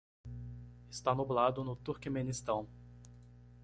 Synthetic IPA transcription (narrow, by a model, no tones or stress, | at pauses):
ɪst̪anublad̪ʊnʊt̪uɾkimẽnist̪ɐ̃w̃